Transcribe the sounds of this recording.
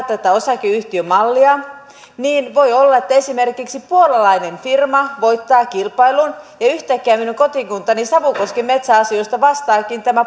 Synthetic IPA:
t̪ːæt̪æosɑkeyht̪iømɑlːiɑ | niːnʋo̞jolːɑet̪ːæe̞simerkiksipuolɑlɑinenfirmɑʋo̞it̪ːɑːkilpɑilunjɑyht̪ækːæːminuŋkot̪iŋkunt̪ɑnisɑʋukoskemet̪sæɑsioist̪ɑʋɑst̪ɑːkint̪æmæ

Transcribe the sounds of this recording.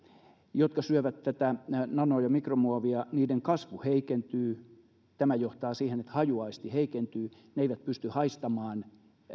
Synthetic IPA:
jot̪kɑsyøʋæt̪tæt̪ænɑnoːjɑmikromuɑʋiɑniːdeŋkɑsʋuheikent̪yː | t̪æmæjoht̪ɑːsiːhenet̪hɑjuɑist̪iheikent̪yː | neeiʋæt̪̚pyst̪yhɑist̪ɑmɑːn

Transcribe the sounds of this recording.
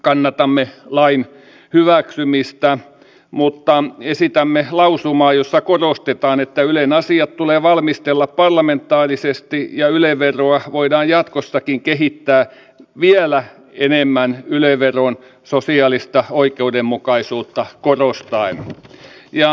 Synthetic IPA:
kɑnːɑt̪ɑmːelɑin | hyʋæksymist̪æ | mut̪ːɑesit̪æmːelɑusumɑːjosːɑkorost̪et̪ɑːnet̪ːæylenɑsiɑt̪t̪uleːʋɑlmist̪elːɑppɑrlɑment̪ːˑɑːrisest̪ijɑyleʋʋeroɑʋoidɑːjjɑt̪kosːɑkiŋkeɦit̪ːæː | ʋielæ | enemːænyleʋʋeron | sosiɑːlist̪ɑoikeudemmukɑisuːt̪ːɑkorost̪ɑin | jɑ

